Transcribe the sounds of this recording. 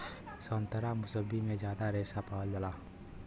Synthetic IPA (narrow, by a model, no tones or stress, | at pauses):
sənt̪əɾamʊsəbimẽd͡ʒjaːd̪aɾesapald͡ʒəla